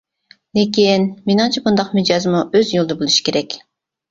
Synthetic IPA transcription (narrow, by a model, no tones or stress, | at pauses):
lekʲinmenɨŋt͡ʃʰibund̪ɑqmed͡ʒɑzmuøzjolˠd̪əbolˠuʃi̥kʲʰeɾɛkʲ